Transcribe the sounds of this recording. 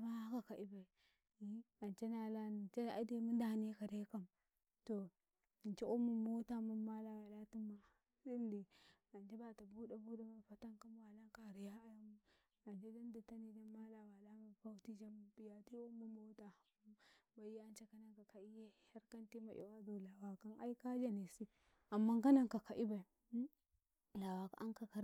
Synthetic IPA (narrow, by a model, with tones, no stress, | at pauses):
ma˦a˦ka˨ka˨ʔi˦ba˨ | i˦a˨nt͡ʃe˦na˨la˦n˨t͡ʃe˦a̰˦˨˦de˦mu˦n˦da˨ne˦ka˨da˦ka˦m | to˨ | i˨nt͡ʃe˦ʔu˦mu˨mo˦ta˦mu˦ma˦la˨wa˨la˦tu˦mːa˦ | si˦ndi˨ | a˨nd͡ʒe˦ba˨ta˨bu˦da˨bu˦da˦ma˨fa˦ta˦ŋka˦mwa˨la˦ŋka˦˨ɾi˨ja˦a˦ja˦mu˦ | na˨nd͡ʒe˦da˦ndi˨ta˦ni˨da˦ma˦la˨wa˨la˦ma˨pa˦wti˦d͡ʒa˦m˨bi˨ja˨ti˦u˦mu˨mo˦ta˨˦ | ba˨˦e˦a˦nt͡ʃa˦ka˦na˦ŋka˨ka˨i˦je˦ha˦ɾka˦nti˦ma˨ʔḭ˨wa˦zo˨la˨wa˨ka˦na̰˦i˦ka˦d͡ʒa˦ni˨si˦ | a˨mːa˦ŋka˦na˨ŋka˨ka˨ʔi˦ba˨i˨˦ | la˨wa˨ka̰˨a̰˦ŋka˨ka˨ɾ